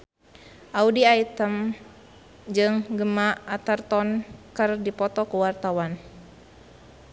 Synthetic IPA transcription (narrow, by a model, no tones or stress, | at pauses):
ʔaudiait̪əm | d͡ʒɨŋɡəmaːt̪ərt̪ɔnkɨrdipɔt̪ɔkuwart̪awan